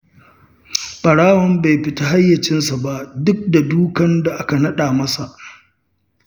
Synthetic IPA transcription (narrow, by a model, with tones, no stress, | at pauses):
ɓɐ˨ɽaː˦wɐ˨mba˨jɸɪ˨ta˦ɦa˦jːɐ˨t͡ʃɪ˦nsa˨ba˦ʔdʊ˦k̚da˨duː˦kɐ˦nda˨ʔa˦ka˨nɐ˦ɗaː˨mɐ˦sa˨ʔ